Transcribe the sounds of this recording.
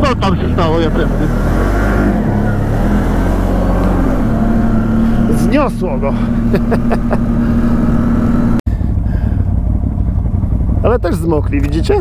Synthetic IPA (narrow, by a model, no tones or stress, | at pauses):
ɔt̪amɕɛst̪awɔjɛpɾɛnɛ | zɲɔswɔɡɔ | alɛt̪ɛʐzmɔklʲivʲid͡ʑit͡ɕɛ